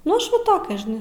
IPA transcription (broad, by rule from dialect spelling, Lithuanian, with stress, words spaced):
nʊ ˈɐʃ ˈʋɐ ˈtoːkʲɛ ʒʲɪˈnɐɪ